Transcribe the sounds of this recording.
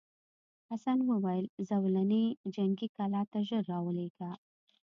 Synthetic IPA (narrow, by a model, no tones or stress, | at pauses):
hasanwəwajəlzawlaned͡ʒaŋɡikalɑt̪aʒəɾːɑwəleɡa